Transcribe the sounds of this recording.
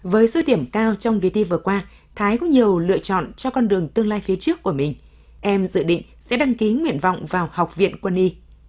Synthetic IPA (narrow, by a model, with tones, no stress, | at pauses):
vəː˨˦jso˨˦ɗi˧˩əmkaː˧wt͡ɕɔ˧wŋ͡mvi˨˩t̪i˧vɨ˨˩əkwaː˧ | t̪ʰaː˨˦jkɔ˨˦ɲi˨˩əwlɨ̰˧˨ət͡ɕɔ̰˧˨nt͡ɕɔ˧kɔ˧nɗɨ˨˩əŋt̪ɨ˧əŋlaː˧jfi˨˦ət͡ɕɨ˦˥əkːu˧˩əmï˨˩ŋ̟ | ʔɛ˧mzɨ̰˧˨ɗḭ̈˧˨ŋ̟sɛ̰˧˥ɗa˧ŋki˨˦ŋwḭ˧˨ənva̰˧˨wŋ͡mvaː˨˩wha˨˩wk͡p̚vḭ˧˨ənkwə˧nʔi˧